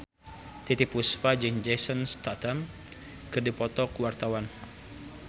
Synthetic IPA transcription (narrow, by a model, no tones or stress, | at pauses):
t̪it̪ipuspad͡ʒɨŋd͡ʒesɔnst̪at̪am | kɨrdipɔt̪ɔkwart̪awan